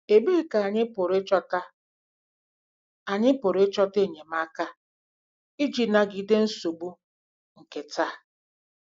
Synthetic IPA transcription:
e˨be˦ka˨a˨ɲɪ˦pʊ˨ɾe˦t͡ʃɔ˦ta˦ | a˨ɲɪ˦pʊ˨ɾe˦t͡ʃɔ˦te˦˨ɲe˨ma˦ka˦ | i˦d͡ʒi˨na˨ɡi˨˦de˦n̩˦so˨bu˦ | ŋ̩˨ke˨taː˦˨

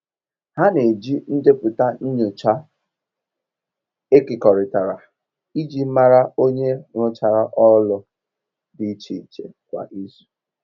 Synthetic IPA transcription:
ha˦ne˨d͡ʒi˦n̩˦de˦pʊ˨ta˦n̩˦ɲʊ˨t͡ʃa˦ | e˦kɪ˨kɔ˨ɾɪ˨ta˨ɾa˨ | i˦d͡ʒi˦ma˦ɾa˦o˦ɲe˦ŋʷʊ˦t͡ʃa˨ɾa˦ʔɔ˦lʊ˨ | dɪ˨˦t͡ʃi˨i˨t͡ʃḛ˨kʷa̰˨ʔi˦zu̥˨˦

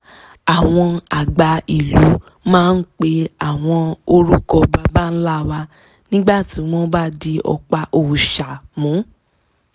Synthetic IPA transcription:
a˨w̃ɔ̃˧a˨ɡ͡ba˧i˨lu˨˦ | mãː˦˧n̩˦k͡pe˧˦a˦˨w̃ɔ̃˧o˧ɾu˦kɔ˧ba˧ba˦˨n̩˦la˦˨wa˧ | nĩ˦ɡ͡ba˦˨ti˨˦m̃ɔ̃˦ba˦de˧ɔ̰˧k͡pa˧ʔo˧˨u˨ʃa˨mũ˨˦

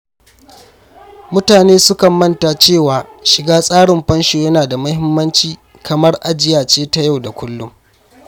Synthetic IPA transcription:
mʊ˦taː˨neː˦sʊ˦kɐ˨mːɐ˦nta˨t͡ʃeː˦˨waː˨ʃɪ˨ɡaː˦sʼaː˦ɽɪ˨mɸɐ˦nʃoː˨jɐ˦naː˨da˨mɐ˦hɪ˦mːɐ˦nt͡ʃiː˦ | kʰɐ˨mɐ˦rʔa˦d͡ʒɪ˦jaː˨t͡ʃeː˦ta˦ja˦˨wda˨kʷʊ˦lːʊ˦m

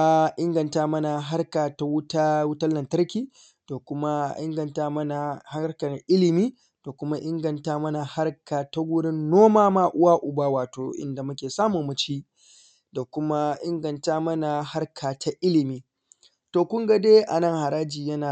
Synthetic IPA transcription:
ʔɪ˦ŋɡɐ˨ntaː˦mɐ˦na˨ɦa˦rkaː˨ta˦wʊ˦ta˦wʊ˦tɐ˦lːɐ˨ntɐ˦rkʲiː˦ | d̥a˨kʷʊ˦ma˦ʔɪ̰˦ŋɡɐ˨ntaː˦mɐ˦na˨ha˦ka˨ʔɪ˦lɪ˨miː˦ | d̥a˨kʷʊ˦ma˦ʔɪ˦ŋɡɐ˨ntaː˦mɐ˦na˨ha˦rkaː˨ta˦ɡʷʊ˦ɽɪ˦nːoː˦maː˦maː˦ʔʊ˦waː˦ʔʊ˨baː˦waː˨toː˨ʔɪ̰˦nda˨mʊ˦kʲeː˨saː˦mu˨mːʊ˨˦t͡ʃiː˦ | da˨kʷʊ˦ma˦ʔɪ˦ŋɡɐ˨ntaː˦mɐ˦na˨ha˦rkʰaː˨tʰa˦ʔɪ˦lɪ˨miː˦ | toː˨kʷʊ˦ŋɡa˦deː˦ʔa˨nɐ˦ŋha˨ɾaː˦d͡ʒiː˨jɐ˦naː˨

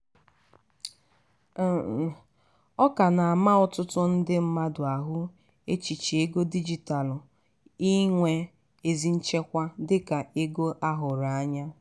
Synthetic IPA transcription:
ɔ˦ka˨na˨a˨ma˦ʊ˦tʊ˦tʊ˦n̩˦dɪ˦m̩˦ma˦dʊ˨a˨ɦʊ˦ | e˦t͡ʃi˨t͡ʃe˦ɡo˦di˦d͡ʒi˨ta˨lʊ˨ | i˦ŋʷe˦ | e˨zi˦n̩˦t͡ʃe˦kʷa˦dɪ˦ka˨e˦ɡo˦ʔa˦ɦʊ˨ɾa˨a˦ɲa˦

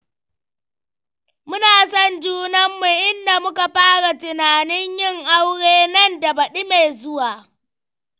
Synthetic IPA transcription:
mʊ˦naː˨sɔ˦˨nd͡ʒuː˦nɐ˦mːu˨ʔɪ˦nda˨mʊ˦ka˨ɸaː˦ɽa˨tɪ˨naː˨nɪ˦ɲjɪ˦˨ŋʔa˦wɽeː˦nɐ˦nda˨bɐ˨ɗi˦me˨zʊ˦waː˨

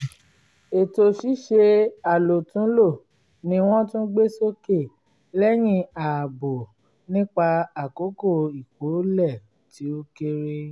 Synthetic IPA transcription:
e˨to˧ʃi˦ʃe˧a˨lo˨tũ˨˦lo˦˨ | nĩ˧w̃ɔ̃˦tũ˦ɡ͡be˦so˦ke˦˨ | lɛ˦j̃ĩ˧a˨bo˨ | nĩ˦k͡pa˧a˨ko˨˦ko˦˨i˨ko˨˦lɛ˦˨ | ti˨˦o˦ke˦ɾe˦

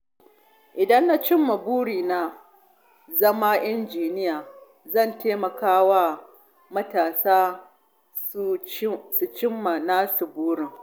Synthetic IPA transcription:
ʔɪ˨dɐ˦nːa˦t͡ʃɪ˦mːa˨buː˦ɽiː˨na˦ | zɐ˦ma˦ʔɪ˦nd͡ʒiː˨nɪ˦jaː˨ | zɐ˦˨nteː˦mɐ˨kaː˦wa˦ | mɐ˦taː˨saː˦ | su˨t͡ʃɪ˦mːa˨naː˦su˨buː˦ɽɪ˨ŋ

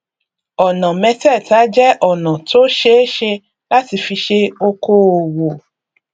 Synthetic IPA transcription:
ɔ˨nã˨mɛ̃˧tɛ˦˨ta˨˦d͡ʒɛ˦ʔɔ˦˨nã˨to˦ʃe˦ʃe˧ | la˦ti˧fi˧ʃe˧o˧ko˦o˨wo˨

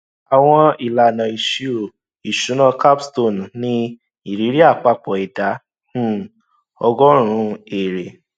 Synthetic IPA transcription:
a˨w̃ɔ̃˧i˨la˨nã˨i˨ʃi˧o˨ | i˨ʃũ˨˦nã˦˧ka˦bsto˦˨n˨nĩ˧ | i˦˨ɾi˨˦ɾi˦a˦˨k͡pa˧k͡pɔ˨i˨dã˨˦˨ | ɔ˧ɡɔ˦ɾ̃ũ˨˧˦e˨ɾe˨

